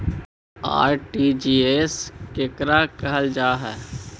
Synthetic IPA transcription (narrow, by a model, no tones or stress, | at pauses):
a̰ːɾʈid͡ʒieskekɾakəɦəld͡ʒaːɦɛː